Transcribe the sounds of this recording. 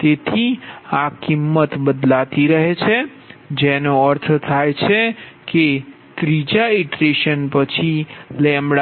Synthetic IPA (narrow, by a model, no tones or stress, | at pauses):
t̪et̪ʰiakimːət̪bəd̪lat̪iɾəɦet͡ʃʰe | d͡ʒɛnoəɾt̪ʰt̪ʰajt͡ʃʰeke | t̪ɾid͡ʒaiʈɾeʃənpət͡ʃʰilɛ̃mɽ